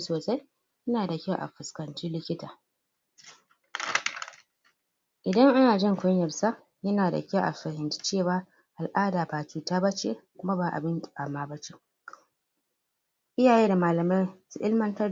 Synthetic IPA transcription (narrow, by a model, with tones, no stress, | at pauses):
soː˨sa˦j | ʔɪ˦naː˨da˨kʲa˦˨ʔa̰˨ɸʊ˨skɐ˨nt͡ʃiː˦lɪ˦kʲɪ˦taː˨ | ʔɪ˨dɐ˦ŋʔa˦naː˨d͡ʒɪ˦ŋkʷʊ˦ɲjɐ˨rsa˦ | jɐ˦naː˨da̰˨kʲa˦ʔa̰˨ɸɐ˨hɪ˨nt͡ʃi̥˦t͡ʃeː˦˨waː˦ | ʔa˨lʔaː˦daː˨baː˨kʲiː˨ta˦bɐ˦t͡ʃḛ˦˨kʷʊ˦ma˦baː˨ʔa̰˨bɪ˦n˨a˨maː˦bɐ˦t͡ʃe˦ | ʔɪ˦jaː˨jeː˦da˨maː˨lɐ˨ma˦jsʊ˦ʔɪ˦lmɐ˦ntɐ˦